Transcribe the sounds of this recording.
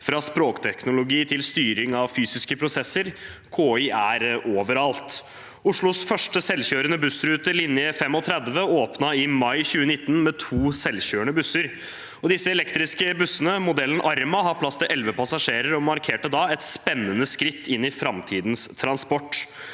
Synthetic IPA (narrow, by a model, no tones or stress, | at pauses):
fɾɑspɾoːkt̪ʰɛknʊlʊɡiːt̪ʰɪlst̪yːɾɪŋɑʋfyːsɪskəpʰɾʊsɛsːəɾ | kʰoːiːʔæɾʔoːʋəɾɑlt̪ | ʊʂɭʊsfœʂʈəsɛlːçøːɾənəbʉsɾʉːt̪əlɪnjəfɛmːɔt̪ʰɾɛd̪ʋəoːpnɑɪmɑɪçʉːənɪt̪ːn̩mɛt̪ʰuːsɛlçøːəɳəbʉsəɾ | ɔd̪ɪsːəɛlɛkt̪ɾɪskəbʉsːənəmʊd̪ɛlːənʔɑɾmɑɦɑpʰlɑst̪əʔɛlʋəpʰɑsɑʂeːɾəɾɔmɑɾkʰeːʈəd̪ɑɛt̪spɛnːənəskɾɪt̪ːɪnːɪfɾɑmt̪ʰiːd̪nst̪ʰɾɑnspɔʈː